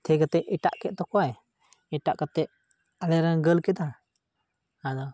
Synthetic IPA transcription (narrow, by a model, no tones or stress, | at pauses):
t̪ʰɛɡat̪ɛʔɛʈa̰ʔkɛʔ̪̚t̪ɔkɔwaj | ɛʈaʔkat̪ɛʔ | alɛɾanɡəlkɛd̪a | ad̪ɔ